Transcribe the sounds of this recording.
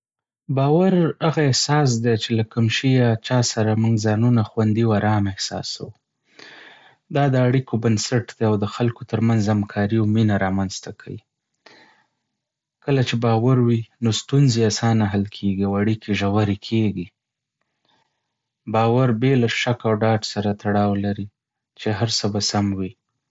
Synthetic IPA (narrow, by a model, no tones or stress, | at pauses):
bɑwaɾaɣaehsɑs̬d̪et͡ʃelakamʃijat͡ʃɑsaɾamuŋɡzɑnunaxwand̪iwaɾɑmɪhsɑ̰sa̰wu | d̪ɑd̪əaɽikʰobansaʈd̪eawd̪əxalkot̪əɾmanzamkʰɑɾiawminaɾɑmanzt̪akʰa̰wi | kəlat͡ʃebɑwaɾwinost̪unzeasɑnaɦalkʰeɡiawaɽikeʒawaɾekʰeɡi | bɑwaɾbelaʃakawɖɑɖsaɾat̪aɽɑwlaɾi | t͡ʃeɦaɾsəbasamwi